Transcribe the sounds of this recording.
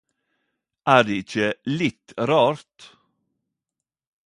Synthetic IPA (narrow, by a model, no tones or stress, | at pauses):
ʔæːɖ̪eɪçəlɪt̪ɾɑːɾt̪